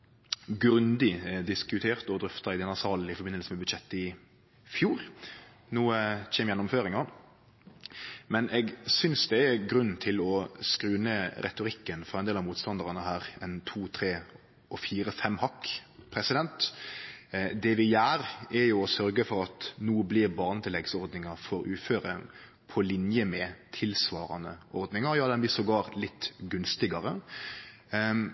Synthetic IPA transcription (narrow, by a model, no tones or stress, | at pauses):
ɡɾʉnd̪ɪd̪ɪskʉt̪ʰeːɾt̪ɔd̪ɾʏft̪ɑɪd̪ɛnːɑsɑːln̩ɪfɔɾbɪnːəlsəmɛbʉd̪ɕɛt̪ːəɪ | fjuːɾ | nuːəçɛmjɛnːʊmføːɾɪŋɑ | mɛnʔɛɡsʏnsd̪ɛɛɡɾʉnːnt̪ʰɪlɔskɾʉːnəɾɛ̰t̪ʊɾɪkːənfɔɾɛnd̪eːlɑmuːt̪st̪ɑnd̪əʁɑnəɦæːɾɛnt̪ʰuːt̪ʰɾeː | ɔfiːɾəfɛmhɑkːpʰɾɛsɪd̪ɛnt̪ | d̪ɛʋɪjæːɾɛɾjʊɔsœɾɡəfɔɾɑt̪nuːblɪɾbɑːʁnət̪ʰɪlɛɡsɔɾd̪nɪŋɑɾfɔɾʉːføːɾə | pʰɔlɪnjəmɛt̪ʰɪlsʋɑːɾɑ̰nəʔɔɾd̪nɪŋɑɾjɑːd̪ɛnblɪsɔɡɑːɾt̪lɪt̪ːɡʉnst̪ɪɡɑɾə